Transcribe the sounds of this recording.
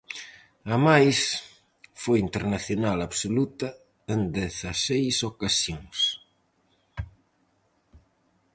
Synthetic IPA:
amajs | fojint̪eɾnaθjonalaβsolut̪ɐ | end̪eθasejsokasjoŋs

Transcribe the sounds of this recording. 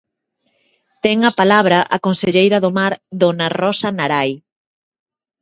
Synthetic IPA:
t̪ɛŋɐpalaβɾaʔakonseʎejɾɐðomaɾðonarɔsanaɾaj

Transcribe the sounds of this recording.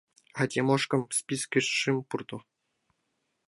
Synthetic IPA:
adʲemoʂkɤ̆mspʲiskʲiʂʂɨmpurd̪ɤ̆

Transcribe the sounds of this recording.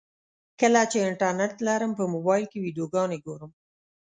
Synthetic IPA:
kəlat͡ʃeɪɳʈaɾneʈlaɾəmpəmobɑjlkewidjoɡɑneɡoɾəm

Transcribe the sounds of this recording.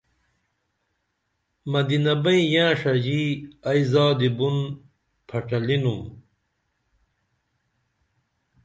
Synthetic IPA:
mɐd̪inɐbɐĩjãːʂɐd͡ʑiːɐizaːd̪ibun | pʰɐʈɐlinum

